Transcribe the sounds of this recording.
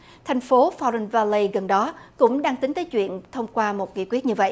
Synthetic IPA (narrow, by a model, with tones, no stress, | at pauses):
t̪ʰɛ˨˩jŋ̟fo˨˦fɔ˧ɹɛ˧nvaː˧li˧ɣə˨˩nɗɔ˨˦kʊ̰˧˥ŋ͡mɗaː˧ŋt̪ï˨˦ŋ̟t̪əː˨˦jt͡ɕwḭ˧˨ənt̪ʰə˧wŋ͡mkwaː˧mo˨˩t̚kḭ˧˨kwi˦˥ət̚ɲɨ˧və̰˧˨jʔ